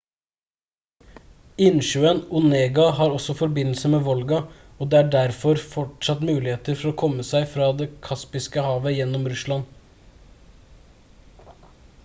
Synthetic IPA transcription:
ɪnʃʉːənʊneːɡɑhɑːɾɔsɔfɔɾbɪnl̩səmeːʋɔlɡɑ | oːd̪eːæːɖæɾfɔɾfɔʈʂɑt̪mʉːlɪheːt̪əɾfɔɾoːkʰɔməsæɪfɾɑːd̪ekʰɑspɪskəhɑːʋəjɛnːɔmɾʉslɑn

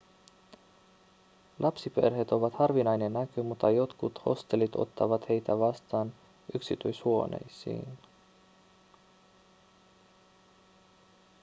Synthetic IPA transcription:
lʔɑpsipe̞̰rhe̞t̪o̞ʋɑt̪hɑrʋinɑjne̞nːækymut̪ːɑjo̞t̪kut̪ho̞̰st̪e̞lit̪o̰t̪ːɑ̰ʋɑt̪he̞jt̪æʋɑst̪ɑːn | ʔyksit̪ulʲisuo̞ne̞̰jsḭːn

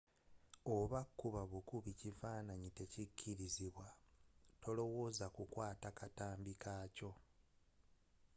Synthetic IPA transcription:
o̞βakːuβaβukuβicivaːnaɲite̞cicʰːiɾiziβwato̞lo̞wo̞ːzakukwaːtakataːmbikaːco̞

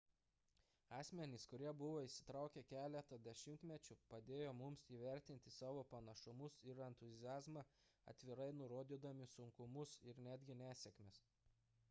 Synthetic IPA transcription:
ɑːsʲmʲɛnʲɪskʊɾʲiɛbʊʋoːisʲɪ̥t̪ɾɑˑʊkʲɛkʲæːlʲɛt̪ɐd̪ʲɛʃʲɪmʲt̪ʲmʲɛt͡ʃʲʊpɐd̪ʲeːjoːmʊmsiːʋʲæɾʲt̪ʲɪnʲt̪ʲɪsɑːʋoːpɐnɐʃʊmʊsɪɾɛnt̪ʊzʲɪjæːzmɑ | ɐ̰t̪ʲʋʲɪɾɐɪnʊɾoːd̪ʲiːd̪ɐmʲɪsʊŋkʊmʊsɪɾnʲæːd̪ʲɡʲɪnʲæːsʲɛkmʲɛs

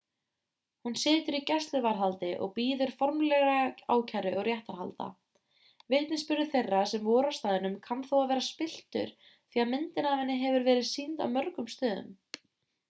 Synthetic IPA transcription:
hunsɪːt̪ʏɾicɛst̪lʏvaɾɦalt̪ɪʔɔ̰ɣpiːðʏɾ̥fɔɾmlɛɣaa̰ːwcʰaɾɪɔɣrjɛht̪aɾhalt̪a̰ | veht̪nɪspʏɾðʏ̥θejrːasɛmvɔːɾḁst̪aːðɪnʏmkʰanθowavɛːɾaspɪl̥t̪ʏ̰ɾ̥ | θiːamɪnt̪ɪnaːvɪnːɪɦɛvʏɾvɛːɾɪðsiːnt̪a̰wmœɾkʏmst̪œːðʏ̰m

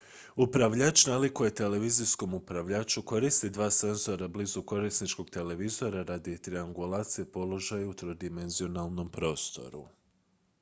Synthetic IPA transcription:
upɾaʋʎat͡ʃnalikuje̞t̪e̞le̞ʋizisko̞mupɾaʋʎaːt͡ʃuko̞ɾist̪id̪ʋaːse̞nzo̞ɾablizuko̞ɾisnit͡ʃko̞ɡ̚t̪e̞le̞ʋizo̞ɾaɾaːd̪it̪ɾiaŋɡulaːt̪sijepo̞lˠo̞ʒajut̪ɾo̞d̪ime̞nzio̞nalˠno̞mpɾo̞ːst̪o̞̰ɾṵ

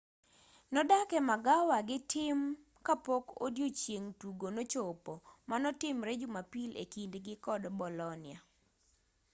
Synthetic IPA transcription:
nɔdakɛmaɡawaɡɪtɪm | kapoko̰djot͡ʃjeŋtuɡonot͡ʃopɔmanɔtɪmɾed͡ʒʊmapilḛkindɡɪkɔdbɔlɔnɪa

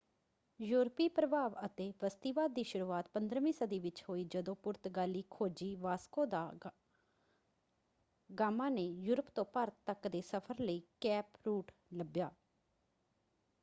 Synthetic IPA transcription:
juːɾpiːpɾəbʱaːʋət̪eːʋəst̪iːʋaːd̪̚ːiːʃʊɾuːaːt̪̚pənd̪ɾəʋĩːsəd̪iːʋɪt͡ʃɦoːiːd͡ʒəd̪õːpʊɾt̪ɡaːliːkʰoːd͡ʒiːʋaːskõːd̪aː | ɡaːmãːneːjuːɾəpt̪õːpəɾt̪əkd̪eːsəpʰəɾləiːkɛːpɾuːʈ | ləbjaː

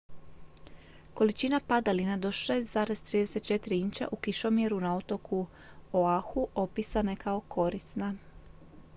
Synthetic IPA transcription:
ko̞lit͡ʃinapad̪alinad̪o̞ʃe̞ːst̪zaːɾe̞z̥t̪ɾiːd̪e̞se̞t̪̚t͡ʃe̞t̪iɾiint͡ɕa̰ʔukiʃo̞mje̞ɾunao̞t̪o̞kʰu | oaxuʔo̞pisane̞kao̞kʰo̞ɾisna

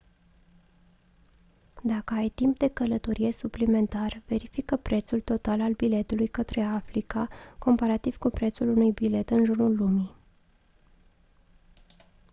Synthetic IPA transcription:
d̪akəajt̪impd̪e̞kələt̪o̞ɾʔije̞suplime̞nt̪arv̥e̞ɾifikəpɾe̞t̪sult̪o̞t̪alalbile̞t̪ulujkət̪ɾe̞afɾikako̞mpaɾat̪iv̥kupɾe̞t̪sulunujbile̞t̪ɨnʒurnulːumi

